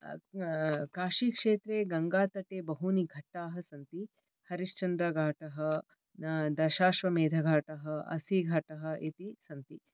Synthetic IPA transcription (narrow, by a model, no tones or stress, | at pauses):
kaːʃiːkʂeːt̪ɾeːɡɐŋɡaːt̪ɐʈeːbɐɦuniɡʱɐʈːaːɦɐ̆sɐnt̪i | hɐɾiʃt͡ʃɐnd̪ɾɐɡʱaːʈɐɦɐ | d̪ɐʃaːʃʋɐmeːd̪ʱɐɡʱaːʈɐɦɐɐ̰siɡʱɐʈɐɦɐ̆ʔet̪isɐnt̪i